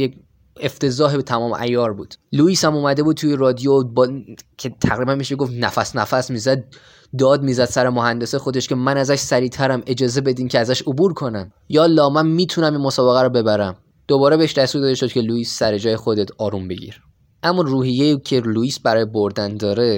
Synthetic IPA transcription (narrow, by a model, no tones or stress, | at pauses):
je | eft̪ʰe̞zɒːɦebet̪ʰæmɒːm̰ʔæ̰jɒːɾbuːd̪̥luiːshæmuːmæd̪e̞buːd̪̚t̪ʰujeɾɒːd̪ijobcʲʰet̪ʰæɣɾiːbænmiʃeɡo̞fnæfæsnæfæsmiːzæd̪̚ | d̪ɒːd̪̚miːzæd̪̥sæɾemoɦænd̪e̞sexo̞d̪e̞ʃcʰe̞mænæzæʃsæɾiːt̪ʰæɾæme̞d͡ʒɒːze̞be̞d̪iːmcʰeæzæʃobuːɾkʰo̞næm | jɒːlːɒːmænmiːt̪ʰunæminmosɒːbeɣæɾɔbe̞bæɾæm | d̪̥obɒːɾebeeʃd̪æst̪uːɾd̪ɒːd̪eʃod̪̚cʰe̞luiːsːæɾe̞d͡ʒɒːjexo̞d̪et̪ʰɒːɾumbe̞̰ɟḭːɾ | ʔæmːɒruːhijːeicʰe̞luiːsbæɾɒːjeboɾd̪ænd̪ɒːɾe̞